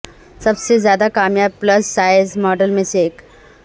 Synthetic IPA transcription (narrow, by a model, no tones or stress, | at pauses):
səbsezjad̪akaːmjab̚pləsːajzmɔɖəlmẽsek